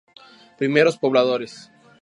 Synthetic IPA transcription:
pɾime̞ɾospo̞βlaðo̞ɾes

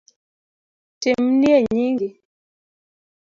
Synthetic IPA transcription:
temnieɲiŋɡi

